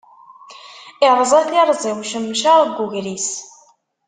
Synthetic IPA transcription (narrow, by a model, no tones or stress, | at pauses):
ɪɾˤəzˤɑθiɾˤzˤiwʃəmːʃaʁɡʷuʝɾis